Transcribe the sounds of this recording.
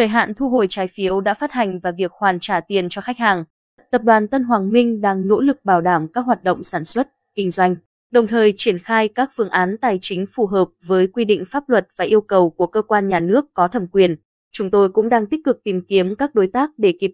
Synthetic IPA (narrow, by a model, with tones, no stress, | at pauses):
əː˧˨˩jɦa̰ː˧˨nt̪ʰu˧ɦo˧˩jt͡ɕaː˨˦jfi˨˦əwɗa̰ː˧˥faː˦˥t̚ha˨˩jŋ̟vaː˨˩vi˨˩ək̚hwaː˨˩nt͡ɕaː˧˩t̪i˨˩ənt͡ɕɔ˧xa˦˥jk̟̚haː˨˩ŋ | t̪ə˨˩p̚ɗwaː˨˩nt̪ə˧nɦwaː˨˩ŋmï˧ŋ̟ɗaː˧ŋno̰˧˥lɨ˨˩k̚ɓaː˧˩wɗaː˧˩mkaː˦˥k̚ɦwaː˨˩t̚ɗo̰˧˨ŋ͡msaː˧˩nswə˦˥t̚kï˧ŋ̟zwa˧jŋ̟ | ɗə˨˩wŋ͡mt̪ʰəː˨˩jt͡ɕi˧˩ənxaː˧jkaː˦˥k̚fɨ˨˧˩əŋʔaː˨˦nt̪aː˨˩jt͡ɕï˨˦ŋ̟fu˧˩ɦəː˨˩p̚vəː˨˦jkwi˧ɗḭ˧˨ŋ̟faː˦˥p̚lwə˨˩t̚vaː˨˩ʔi˧əwkə˨˩wku˧˩əkəː˧kwaː˧nɲaː˨˩nɨ˦˥əkːɔ˨˦t̪ʰə˨˧˩mkwi˨˩ən | t͡ɕʊ˨˦ŋ͡mt̪o˧jkʊ̰˧˥ŋ͡mɗaː˧ŋt̪i˦˥k̟̚kɨ˨˩k̚t̪i˨˩mki˨˦əmkaː˦˥k̚ɗo˨˦jt̪aː˦˥k̚ɗe˧˩ki˨˩p̚